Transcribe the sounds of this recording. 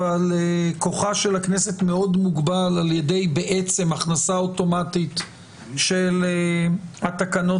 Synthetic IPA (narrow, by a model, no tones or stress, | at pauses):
aleko̞χaʃe̞laknese̞tme̞o̞dmuɡbalaljede̞jbeʔet͡se̞maχnasaoto̞matit̪ | ʃel | at̪akano